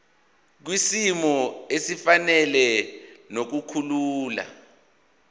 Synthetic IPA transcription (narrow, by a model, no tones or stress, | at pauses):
k̬wisimɔesifanɛlɛnok̬ukʰuluːla̰